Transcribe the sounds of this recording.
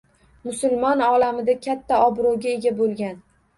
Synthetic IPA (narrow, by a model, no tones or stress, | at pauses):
mʊsʊlˠmɒnɒlamɪd̪akʲʰat̪ʰːaɒbɾowɡʲaeɡʲabolˠɡʲan